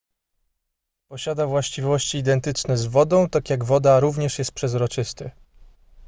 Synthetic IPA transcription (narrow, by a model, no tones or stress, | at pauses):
pɔɕad̪avwaɕt͡ɕivɔɕt͡ɕiːd̪ɛnt̪ɘt͡ʂnɛzvɔd̪ɔ̃w̃t̪akʲjaɡvɔd̪aɾuvɲɛʂjɛst̪̚pʂɛzɾɔt͡ʂɘst̪ɘ